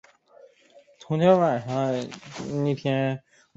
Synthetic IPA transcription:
t̪ʰʊ˧˥ŋt̪ʰjɛ˥nwa˨˩ʂɑ˥˧ni˥˩p̪ʰjɛ˥n

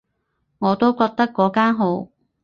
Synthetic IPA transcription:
ŋɔː˨˧t̪o˥wkɔː˧k̚t̪ɐ˥kːɔː˨˥kaː˥nɦo˨˥w

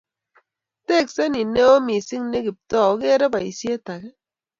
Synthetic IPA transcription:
te˦˨kse˦ni˨ne˦o˦mi˨si˦ŋne˦ki˨p̚tɔ˦˨o˦ke˦ɾe˦ba˨i˨sje˦ta˨kɛ˦

